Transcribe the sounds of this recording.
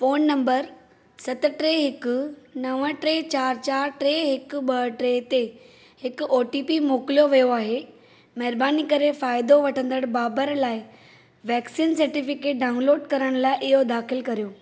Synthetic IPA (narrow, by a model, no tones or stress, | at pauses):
foːnːɐ̃mbəɾ | sɐt̪ʊ̆ʈɾeːɦɪkʊ̆nɐʋəʈɾeːt͡ɕaːɾt͡ɕaːɾʈɾeːɦɪkʊɓɐʈɾeːt̪e | hɪkʊoːʈiːpimoːkɪlijoʋijoaːɦe | mɐɦɾbaːnikɐɾefaːɪd̪oʋɐʈʰə̃nd̪əɽ̃baːbəɾlaːɪ | ʋɛːksiːnsɐɾʈɪfɪkeːʈ̚ɖaːʊ̃nloːɖkɐɾəɽ̃laːɪʔɪɦod̪aːxɪlkɐɾijoː